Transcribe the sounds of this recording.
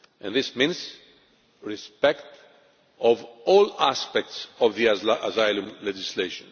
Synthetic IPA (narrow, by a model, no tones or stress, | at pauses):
ʔɨ̃nðɪsmĩnz | ɹispɛkt | ɔvɔlaspɛk̚tsɔvðiazaɪlɨ̃mlɛd͡ʒɪsleɪʃə̃n